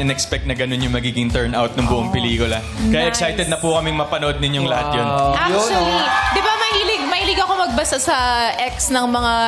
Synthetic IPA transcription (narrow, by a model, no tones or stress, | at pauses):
ɪnɛkspɛk̚t̪nɐɡɐno̞njʊŋmɐɡiːɡɪŋt̪ɛɹnʔawt̪̚nɐŋbʊʔoŋpɛliːkʊlɐ | kɐjaʔɛksajt̪ɛd̪nɐpukɐmɛŋmɐpɐnoʔod̪̚nɪɲjoŋlɐhat̪jonʔaɐlid̪ɪbamɐhiːlɪɡ̚mɐhiːlɪɡɐko̞mɐɡ̚bɐsasɐʔɛksnɐŋmɐŋa